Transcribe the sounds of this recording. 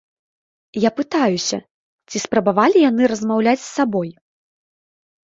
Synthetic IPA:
japɨt̪ajusʲɐ̰ | t͡sʲispɾɐbavalʲijanɨɾɐzmawlʲat͡sʲsːabɔj

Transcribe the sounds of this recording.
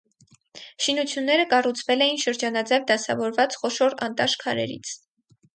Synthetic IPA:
ʃinut͡sʰjunːɛɾəkɑrut͡sʰvɛlɛjinʃəɾd͡ʒɑnɑd͡zɛvd̪ɑsɑ̰vɔɾvɑt͡sχɔʃɔɾɑ̰nt̪ɑʃkʰɑɾɛ̰ɾḭt͡sʰ

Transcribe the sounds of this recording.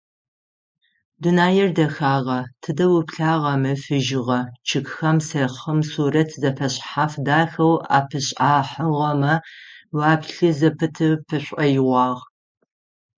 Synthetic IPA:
dunaːjɛrdɐxaːʁɐtʰɨdɐwʊpɬaːʁɐmɨfɨʒɪʁɐt͡ʃʰɪkxɐmsɐχəmsuːrɐtʰzɐfɐɕʼħaːfdaːxɐwa̰ːpʰɨɕʼaːħɐʁɐmɐwaːpɬɨzɐpʰɨtʰɨpʰɨɕʷʼɐjɪʁʷɑːʁ

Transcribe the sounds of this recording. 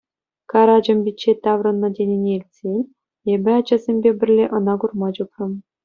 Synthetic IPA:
kɑɾɑd͡ʑɤ̆mʲbʲit͡ɕːet̪ɑʋrɤ̆nːɤ̆dʲenʲenʲelʲt͡sʲelʲ | ebʲɘ̆ɑd͡ʑɑ̆zʲemʲbʲebʲɘ̆rʲlʲeʔɤ̆nɑɡurmɑd͡ʑuprɤ̆m

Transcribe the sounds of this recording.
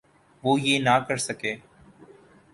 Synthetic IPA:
ʋoːjeːnaːkəɾsəkeː

